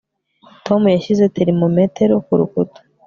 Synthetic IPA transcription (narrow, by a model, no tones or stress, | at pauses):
tʰo̞mujaʃize̞teɾimome̞te̞ɾokuɾukuto̥